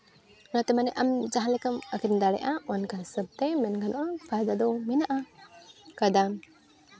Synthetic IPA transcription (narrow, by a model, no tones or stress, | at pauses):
nat̪ɛmanɛʔamd͡ʒaɦãlɛkəməkind̪aɽɛ̰ʔaɔnkasəb̚t̪ɛmɛnɡanɔʔɔpajd̪ad̪ɔwminaʔa | kad̪am